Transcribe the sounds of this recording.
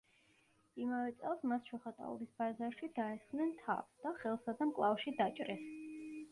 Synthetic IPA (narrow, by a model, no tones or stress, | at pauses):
imavɛt̪sʼɛlˠsmasʃʰɔχat̪ʼa̰ɔ̰bisbazaɾʃid̪aɛsχnɛnt̪ʰa̰vsd̪̥aχɛlˠsad̪amkʼlˠafʃid̪at͡ʃʼɾɛs